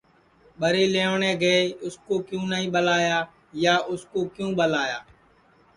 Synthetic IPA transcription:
ɓəɾeːleːoːɳẽːɡəeːʊskoːkjũːnəɦĩːɓəlaːjaː | jaːʔʊskoːkjũːɓəlaːjaː

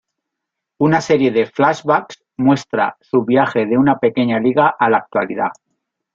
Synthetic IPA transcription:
unaseɾje̞ðe̞flazβaks | mwe̞st̪ɾasuβjaxe̞ð̞e̞unape̞keɲaliɣ̞aʔalak̚t̪waliða

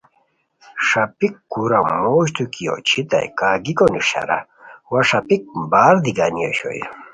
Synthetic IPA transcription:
ʂapikːuɾamoɕt̪ukijɔ̰t͡ɕʰit̪a̰jkaɡikɔnuɕa̰ɾa̰ | waʂapik̚baɾd̪iɡaniɔɕɔ̰j̰

